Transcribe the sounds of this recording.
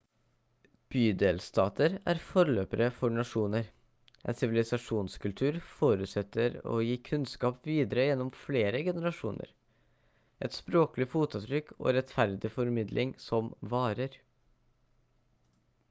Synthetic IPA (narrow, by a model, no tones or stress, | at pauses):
b̥yːd̪eːlst̪ɑːt̪ʰəɾæːɾfɔɾløːpəɾəfɔɳɑʂuːnəɾ | ɛ̰nsɪʋɪlɪsɑʂuːnskʰʉlt̪ʰʉːɾfoːɾʉːt̪sɛt̪ːəɾo̰ːjiːkʰʉnskɑːpʋiːd̪əɾəjɛnːɔmfleːɾəɡɛnəɾɑʂuːnʔə̰ɾ | ʔɛt̪spɾoːklɪfuːt̪ɑt̪ʰɾʏkːʰo̰ːɾɛt̪fæɾd̪ɪfɔɾmɪd̪lʔɪŋsɔmʋɑːɾəɾ